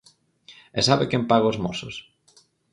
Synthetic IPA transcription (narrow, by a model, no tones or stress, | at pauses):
ɛsaβɪkɛmpaɣoozmosʊ̰s